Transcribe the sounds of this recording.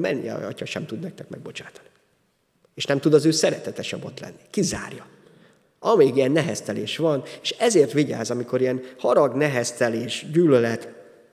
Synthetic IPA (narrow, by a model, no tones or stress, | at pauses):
mɛ̰nːiɛ̰ɒ̰cɒʃɛmt̪ud̪nɛk̚t̪ɛkmɛ̰ɡ̚bo̞t͡ʃḁːt̪ɒ̥ni | eːʃnɛmt̪ud̪ɒzøːsɛɾɛt̪ɛt̪ɛʃɛbo̞t̪lɛ̰nːikiza̰ːrjɒ | ɒmeːɡijɛnːɛɦɛst̪ɛleːʃʋɒneːʃɛzeːrt̪ʋiɟa̰ːzɒmiko̞ɾiɛnhɒɾɒɡnɛɦɛst̪ɛleːʃɟyːlølɛt̪